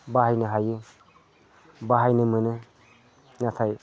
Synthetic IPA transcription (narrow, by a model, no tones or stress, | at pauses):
baɦajnɯɦajɯ | baɦajnɯmɯnɯ | nat̪ʰaj